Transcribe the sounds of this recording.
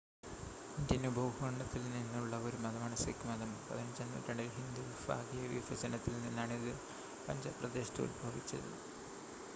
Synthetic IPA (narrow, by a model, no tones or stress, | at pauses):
ind̪ɐnubʱɐwɦoɳɖɐt̪ːilninːuɭːɐoɾumɐðɐmaːɳɐsekːɨmɐðɐmpɐ̰ðinɐt͡ɕːɐnːṵt̪ːɐɳɖilɦind̪ufa̰ːɡijɐʋḭʋɐd͡ʑɐnɐt̪ːilninːaːɳiðɨ | pɐ̰ɲd͡ʑɐp̪rɐd̪eːɕt̪ṵːlbʱɐʋit͡ɕːɐ̰ðɨ̰